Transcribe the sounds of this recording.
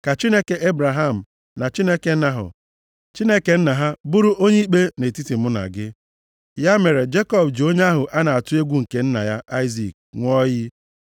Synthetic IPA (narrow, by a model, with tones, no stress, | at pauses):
ka˨t͡ʃi˦ne˦ke˨e˦bɾa˨ɦa˦˨m̩˨ | na˨t͡ʃi˦ne˦ke˨˦na˨ɦʊ̰˨ | t͡ʃi˦ne˦ke˨n̩˦na˨ɦa˦bʊ˦ɾʊ˦ʔo˦ɲe˦i˦k͡pe˦ne˨ti˦ti˨mʊ˦na̰˨ɡɪ˦ | ja˦me˨ɾe˨d͡ʒe˦kɔ˦bd͡ʒo˦ɲe˦a˦ɦʊ˨ʔa˦na˨a˨tʊ˦e˦ɡʷu˦ŋ̩˨ke˦n̩˦na̰˨ja˦ʔa˦ɪ˦zi˨k̚ŋʷ˦ɔ˦jɪ˦